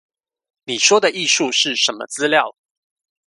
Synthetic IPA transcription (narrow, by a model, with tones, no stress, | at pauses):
ni˨˩ʂwɔ˦d̪ə˨ʔi˥˨ʂu˥˨˧ʂɻ̩˥˨ʂə˨˦nmə̰˧t͡sɹ̩˦ljɑ˥˨ʊ